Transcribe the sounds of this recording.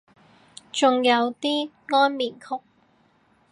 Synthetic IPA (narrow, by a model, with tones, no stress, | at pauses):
t͡sʊ˨ŋjɐ˨˧wt̪iː˥ | ŋɔː˥nmiː˨˩nkʰʊ˥k̚